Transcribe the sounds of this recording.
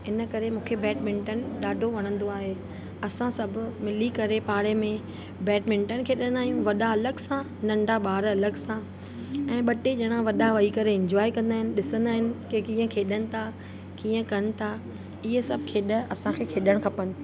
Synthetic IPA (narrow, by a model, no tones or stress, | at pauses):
ɪnəkɐɾemũːkʰebɛːʈmɪ̃ɳʈənɪ̆ɗaːɖʱoʋɐɽ̃ə̃n̆d̪oaːɦeː | ɐsãsɐbʱʊ̆mɪlikɐɾepaːɽemẽ | bɛːʈmɪ̃ɳʈənɪ̆kʰeːɗə̃nd̪aːɦijũʋɐɗaɐləɡsã | nɐ̃ɳɖʱaɓaːɾɐləɡsã | ɛ̃ːɓɐʈeʄɐɽ̃ãʋɐɗaʋɐikɐɾeɪ̃ɲd͡ʑɔːikɐ̃nd̪aːɦɪnɪ̆ɗɪsə̃nd̪aːɦɪnɪ̆kekĩːə̃kʰeːɗəɽ̃ɪ̆t̪ʰa | kĩːə̃kɐnɪ̆t̪ʰa | ɪɦesɐbʱkʰeːɗə̆ɐsãkʰeːkʰeːɗəɽ̃kʰɐpənɪ̆